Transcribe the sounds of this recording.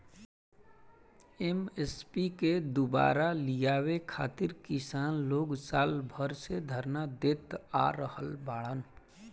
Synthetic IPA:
emespiked̪uba̰ːɾalijaːwekʰa̰ːt̪ɪɾkɪsaːnloːɡsaːlbʱəɾsed̪ʱəɾnad̪et̪a̰ɾəhəlbaːɽən

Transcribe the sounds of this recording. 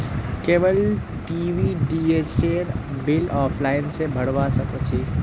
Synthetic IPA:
keːʋəl | ʈiːʋiɖiːeːt͡ʃeːɾ | bɪlɔːpʰlaːɪnsebʱɐɽʋasɐkot͡ʃʰi

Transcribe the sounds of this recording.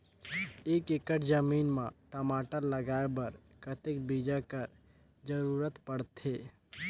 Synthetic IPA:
ekekəʈʰd͡ʒəmiːnmãʈəmaːʈəɾləɡaebəɾ | kət̪ekbid͡ʒakəɾ | d͡ʒəɾuɾət̪pəɽt̪ʰe

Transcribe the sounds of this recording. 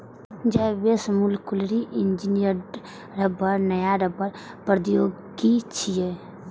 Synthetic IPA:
d͡ʒɛbesmulkulɾiʔɪnd͡ʒinijəɾ | ɾəbəɾnəjaɾəbəɾ | pɾəd̪joɡ | ɡit͡ʃʰije

